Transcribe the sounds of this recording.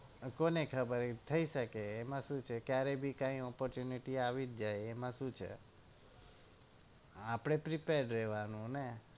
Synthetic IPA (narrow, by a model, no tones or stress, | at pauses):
konekʰəbəɾt̪ʰəiʃəkeːmãʃũt͡ʃʰekjaɾebʱikãĩɔpɔɾt͡ʃjuniʈiaʋid͡ʒ̪̚d͡ʒajemãʃũt͡ʃʰḛ | apɽ̃epɾipeɾɖɾeɦʋanũne